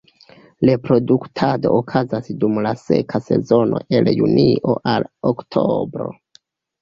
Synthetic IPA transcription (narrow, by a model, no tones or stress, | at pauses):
lepɾo̞duktʰado̞ːkʰazasdumlase̞̰kʰase̞̰zo̞no̞̰ʔe̞ljuniʔoʔaloktʰobɾo̞̰